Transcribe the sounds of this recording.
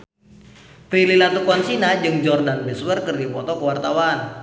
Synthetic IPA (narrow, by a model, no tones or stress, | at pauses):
t̪ɾililat̪ukɔnsinad͡ʒɨŋd͡ʒɔrdanbɛswərkɨrdipɔt̪ɔkəwart̪awan